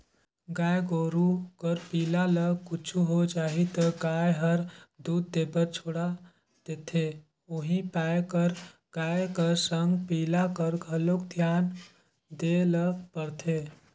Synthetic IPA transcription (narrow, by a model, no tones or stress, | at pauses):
ɡajɡoɾukəɾpilaləkut͡ʃʰuɦod͡ʒaːɦit̪əɡajɦəɾd̪ud̪̚ːebəɾt͡ʃʰoɽa | d̪̥et̪ʰe | uɦĩpajkəɾ | ɡ̥ajkəɾsəŋɡpiːlakəɾɡʱəlokd̪ʱjan | d̪eləpəɽt̪ʰe